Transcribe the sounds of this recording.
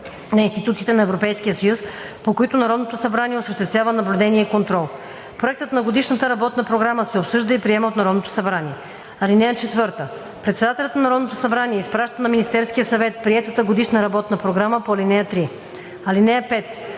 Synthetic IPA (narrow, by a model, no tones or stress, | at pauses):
nɐinst̪it̪ut̪siːt̪ɛnɐɛvɾopɛjsk̟ijəsɐjus | pokoit̪ʊnɐɾɔd̪not̪osɐbɾaniɛosəʃt̪ɛst̪vʲjavənɐblʲud̪ɛniɛikont̪ɾɔlˠ | pɾoɛk̚t̪ət̪nɐɡod̪iʃnət̪əɾɐbɔt̪nəpɾoɡɾaməsɛopsɤʒd̪əipɾiɛməot̪nɐɾɔd̪not̪o̥sɐbɾaniɛ | ɐlinɛjət͡ʃɛt̪vɤɾt̪ə | pɾɛt̪sɛd̪at̪ɛlʲət̪nɐnɐɾɔd̪not̪osɐbɾaniɛispɾaʃt̪ənɐminʲist̪ɛɾskijəsɐvɛt̪̚pɾiɛt̪ət̪əɡod̪iʃnəɾɐbɔt̪nəpɾoɡɾaməpoɐlinɛjət̪ɾi | ɐlinɛjəpɛt̪